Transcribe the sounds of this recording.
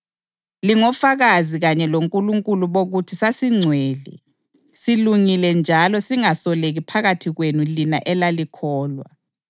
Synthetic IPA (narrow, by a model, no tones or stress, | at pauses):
liŋɔfaɣaziɣaɲɛloŋkʼuluŋkʼuluβoɣutʰisasiŋ͡ǀʱwɛːlɛ̰ | siluŋilɛnd͡ʒʱalɔsiŋasɔleɣipʰaɣatʰiɣwenulinaʔɛlalikʰɔːlwa̰